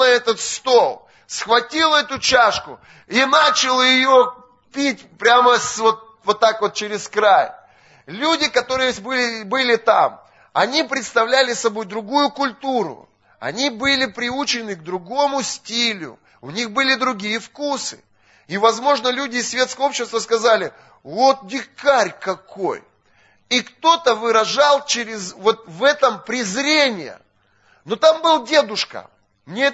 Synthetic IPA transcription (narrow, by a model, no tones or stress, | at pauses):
nɐɛt̪ət̪st̪o̞lˠ | sxvɐtʲilˠɛt̪ʊt͡ɕaʂkʊ | inat͡ɕɪlˠjɪjo | pʲit̚ʲpɾʲaməsvot̪̚ | vot̪ːakvo̞t̪̚t͡ɕɪɾʲɪskɾaj | lʲudʲɪkɐt̪o̞ɾɨjəbɨɪbɨlʲɪt̪a̰m | ɐnʲipɾʲɪt̪st̪ɐvlʲælʲɪsɐbo̞jd̪ɾʊɡujʊkʊlʲt̪uɾʊ̰ | ɐ̰nʲibɨlʲɪpɾʲɪut͡ɕɪnɨɡ̚d̪ɾʊɡo̞mʊsʲtʲilʲʊ̰ | ʊnʲixbɨlʲɪd̪ɾʊɡʲijəfkusɨ̰ | ivɐzmo̞ʐnəlʲudʲɪːsːvʲe̞t̪skəjəo̞pɕːɪst̪vəskɐzalʲɪ | vo̞t̪̚dʲɪkaɾʲkɐko̞̰j | ikt̪o̞t̪əvɨɾɐʐalˠt͡ɕeɾʲɪzvo̞t̪̚vɛt̪əmpɾʲɪzɾʲenʲɪjə̰ | not̪ambɨlˠdʲe̞d̪ʊʂkə̰ | mnʲe